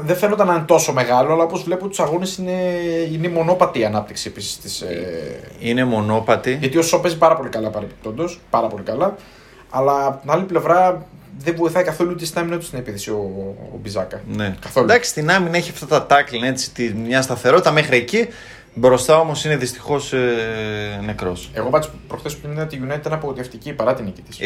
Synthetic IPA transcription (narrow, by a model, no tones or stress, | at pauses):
ðefenot̪ɐnɐnt̪o̞so̞me̞ɣɐlo̞ɐlɐo̞po̞zvle̞put̪u̥sɐɣo̞nesineinemo̞no̞pɐt̪iːɐnɐp̚t̪iksie̞pisi̥st̪isḛ | ine̞mo̞no̞pɐt̪iʝɐt̪io̞sope̞zipɐɾɐpo̞likɐlɐpɐɾepe̥p̚t̪o̞nd̪o̞spɐɾɐpo̞likɐlɐ | ɐlɐːpoinɐliple̞vɾɐðeɱvo̞iθɐikɐθo̞lut̪ist̪ɐminɐt̪u̥st̪ine̞piθesio̰ːbizɐkɐnekɐθolud̪ɐksi̥st̪inɐmine̞çiɐft̪ɐt̪ɐt̪ɐkline̞t͡si̥t̪imɲɐst̪ɐθe̞ɾo̞t̪it̪ɐme̞xɾieci | bɾo̞st̪ɐomo̞sine̞ðist̪i̥xo̞s | ne̞kɾo̞se̞ɣo̞pɐt̪ispɾoxθesput̪imenot̪iʝunɐit̪ɐnɐpoot̪eft̪icipɐɾɐt̪inicit̪is